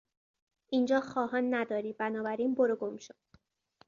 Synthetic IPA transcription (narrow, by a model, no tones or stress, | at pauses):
ʔiːnd͡ʒɒːxɒːɦɒːnːæd̪ɒːɾiːbænɒːbæɾiːnboɾoɡomʃo